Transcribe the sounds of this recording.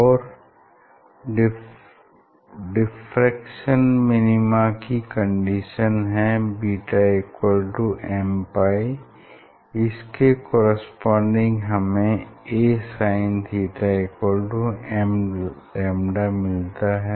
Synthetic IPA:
ɔːɾ | ɖ | ɖɪfɾɛkʃənmɪnɪmakikə̃ɳɖiʃənɦɛbiːʈaeːkwəlʈuʔɛ̃ːmpaːi | ɪskekɔːɾəspɔ̃ːɳɖɪ̃ŋɡɦɐmẽeːsaːɪ̃ntiːʈaeːkwəlʈuɛm | ɛːmɖamɪlt̪aɦɛː

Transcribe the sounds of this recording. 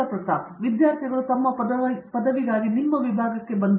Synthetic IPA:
ɐpɾɐt̪ɐʋid̪jaːɾt̪ʰiɡɐɭut̪ɐmːɐɐɐpɐd̪ɐʋiɡaːɡinimːɐʋibʱaːɡɐkːe̞bɐnd̪

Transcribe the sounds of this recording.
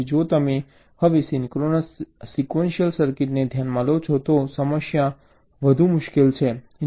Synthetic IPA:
id͡ʒot̪əme | həʋesinkɾonəsikʋenʃijəlsəɾkiʈned̪ʱjanmalot͡ʃʰot̪osəməʃja | ʋəd̪ʱũmʊʃkelt͡ʃʰe

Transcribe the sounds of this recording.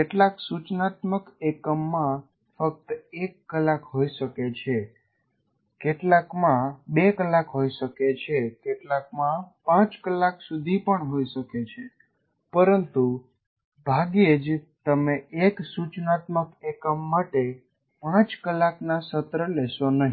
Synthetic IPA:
keʈlaksut͡ʃnat̪məkekəmːã | fək̚t̪ekːəlːakɦoiʃəket͡ʃʰe | keʈlakmãbekəlːakɦoiʃəket͡ʃʰekeʈlak̚mãpãt͡ʃkəlːaksud̪ʱipəɳɦoiʃəket͡ʃʰe | pəɾənt̪u | bʱaɡed͡ʒt̪əmeʔeksut͡ʃnat̪məkekəmːaʈe | pãt͡ʃkəlːaknasət̪ɾəlɛʃonəɦi

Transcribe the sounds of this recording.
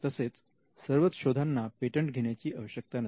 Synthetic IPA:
t̪əset͡s | səɾʋət̪ɕod̪ʱanːapeʈəɳʈɡʱeɳjat͡ɕiːʔəʋəɕjək̚t̪anə

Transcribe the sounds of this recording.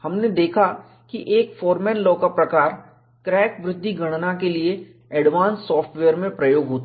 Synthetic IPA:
hɐmned̪eːkʰa | kiʔeːkfɔːɾmɛɾlɔːkapɾɐkaːɾ | kɾɛːkʋɾɪd̪ʱːiɡʱɐɽ̃nakelie | ɛːɖʋaːnsːɔːfʈʋɛːəɾmẽpɾɐjoːɡɦoːt̪a

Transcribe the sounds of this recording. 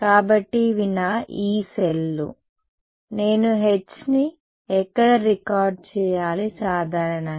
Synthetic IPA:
kaːbɐʈːiʋinɐiːselːṵ | ne̞ːnuɦet͡ʃːni | ɛkːɐɽɐɾikaːɾɖ̚t͡ʃɛːjaːlisaːd̪ʱaːɾɐɳɐ

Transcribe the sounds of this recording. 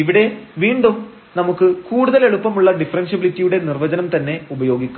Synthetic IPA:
iʋiɽe̞ʋiːɳɖum | nɐmukːɨkuːɽuðɐleɭupːɐmuɭːɐɖifrenɕɐbilitːijuɽe̞nirʋɐd͡ʑɐnɐmt̪ɐnːe̞ubɐjo̞ːɡikʲːu

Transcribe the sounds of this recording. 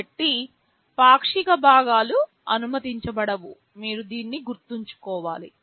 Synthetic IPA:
ʈːi | paːkʂikɐbʱaːɡaːlu | ɐ̰numɐt̪iɲt͡ʃɐbɐɽɐʋu | miːɾud̪iːnːiɡuɾt̪uɲt͡ʃu̥kɔːʋaːli

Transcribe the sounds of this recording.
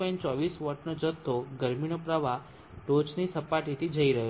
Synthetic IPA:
ɔ̃jnt͡ʃɔʋisʋɔʈnod͡ʒət̪ʰːoɡəɾmiɽ̃opɾaʋa | ʈot͡ʃnisəpaʈit̪ʰid͡ʒəiɾəɦo

